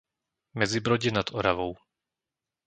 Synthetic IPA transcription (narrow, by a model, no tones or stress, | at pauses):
mɛd͡zibɾɔɟɛnad̪ɔɾaʋɔʊ